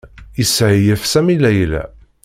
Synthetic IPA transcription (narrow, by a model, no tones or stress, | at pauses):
jəsʕijəfsæmilæjlæ̰